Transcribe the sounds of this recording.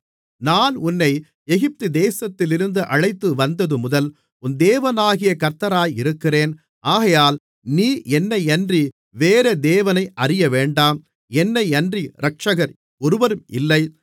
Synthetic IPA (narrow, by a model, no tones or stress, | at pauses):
naːnʊnːɐɪ | ɛɣɪp̚t̪ɯd̪eːsɐt̪ːɪlɪɾɯnd̪ɯʔɐɻɐɪt̪ːɯʋɐnd̪ɐðɯmʊðɐl | ʊnd̪eːʋɐnaːɣɪjɐkɐɾt̪ɐɾaːjɪɾɯkːɪreːn | ʔaːɣɐjaːl | niːʔɛnːɐɪɐndri | ʋeːɾed̪eːʋɐnɐɪʔɐrɪjɐʋeːɳɖaːm | ɛnːɐɪɐndriɾɐk̚ʂɐɣɐɾ | ɔɾɯʋɐɾɯmɪlːɐɪ